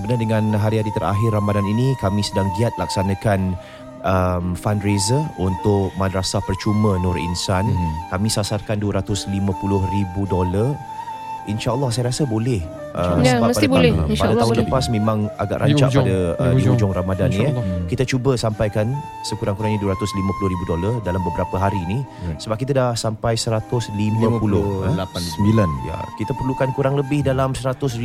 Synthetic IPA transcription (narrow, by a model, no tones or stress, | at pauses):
səbənardəŋãnɦaɾiɦaɾit̪əɾa̰ɦɪrːamadaninikamĩsədaŋɡiat̪̚lak̚sanãkan | ʔəmfanɾezəunt̪ʊʔmadɾasapərt͡ʃumə̃nʊrḭnsankamĩsasarkanduəɾat̪ʊslimãpulʊhribudolar | inʃaʔəlˠːɔhs̬ajaɾasabolɛh | ʔəəbaəpadablpadaaɦʊnləpasmẽmãŋa̰ɡa̰ʔɾʔa̰t͡ʃaʔpadaə̰ud͡ʒɔŋɾamadannĩkit̪at͡ʃubəsampajkan | səkuɾaŋkuɾaŋɲiduwəɾat̪ʊslimãpulʊhɾibudolardalambəbəɾapəɦaɾinisəbap̚kit̪̬adahsampajsəɾat̪ʊslimãpulʊhlaansəbilanja̰kit̪apərlukankuɾaŋləbɪhdalamsəɾat̪ʊs̬ri